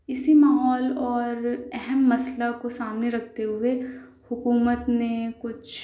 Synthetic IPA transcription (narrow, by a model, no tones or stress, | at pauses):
ɪsimaːɦɔːlɔːɾɛɦɛmːɐslakosaːmneɾɐkʰt̪eɦʊe | hʊkuːmət̪nẽkʊt͡ʃʰ